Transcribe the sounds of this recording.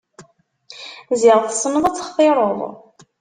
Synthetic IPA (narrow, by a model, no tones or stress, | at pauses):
zɪʁθsˤːnəðˤæt͡sːχfeɾˤoðˤ